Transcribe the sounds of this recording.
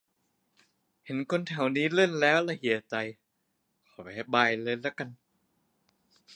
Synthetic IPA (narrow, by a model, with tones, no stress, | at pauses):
he˩˦nkʰo˧nt̪ʰɛ˨˩˦wniː˦˥le˥˩nlɛː˦˥wlɛ˧˩hi˨˩˦t͡ɕa˧j | kʰɔ˨˩˦pa˨˩ha˧˩baː˧jlɤː˧lɛː˦˥wka˧n